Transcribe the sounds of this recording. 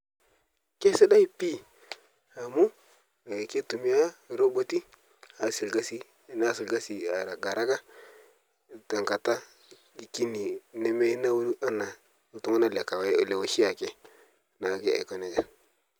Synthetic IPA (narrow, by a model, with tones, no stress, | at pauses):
ke˦se˦da˦i˦pi˦ | a˨mu˦ | ɡa˨ke˦tu˨mi˦a˦˨ɾo˦bo˦ti˦ | a˨si˨lɡa˦si˦ | na˦˨si˨lɡa˦si˨a˨ɾa˨ɡa˨ɾa˦ka˦ | ta˨ŋka˨ta˦ | i˨ki˦ni˨ne˦me˦i˦na˦wu˦du˦ʔa˦na˨ | tu˦ŋu˦na˦˨le˨ka˨wa˨˦˨le˨wo˨ʃi˦a˨ke˨ | na˨ke˦a̰˨kɔ˨ne˨te˦